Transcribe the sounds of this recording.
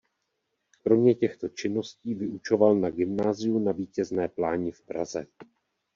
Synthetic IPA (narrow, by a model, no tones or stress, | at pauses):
kɾo̞mɲɛcɛxt̪o̞t͡ʃɪnːo̞sciːvɪʔut͡ʃo̞valnaɡɪmnaːzɪjunaviːcɛznɛːplaːɲɪfpɾa̰zɛ̰